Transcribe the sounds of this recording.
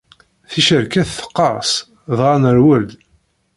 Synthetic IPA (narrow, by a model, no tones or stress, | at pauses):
θiʃəɾkæθθə̥qːɑs | ðˤʁɑnəɾwəld̪